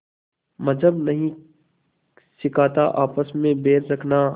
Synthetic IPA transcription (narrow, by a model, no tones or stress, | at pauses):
mɐd͡ʒʱəbnɐɦĩ | sɪkaːt̪aʔaːpəsmẽbeːɾɾɐkʰnaː